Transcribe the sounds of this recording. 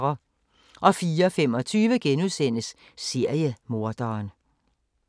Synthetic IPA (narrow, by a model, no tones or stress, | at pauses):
ɐ | ʔɒ̽fiːɐɒfemɒ̽t͡sʰyːʋəɡ̥enuðˠsen̰əsː | e̝ɐ̰jəmo̝ɐ̰d̥ɐːn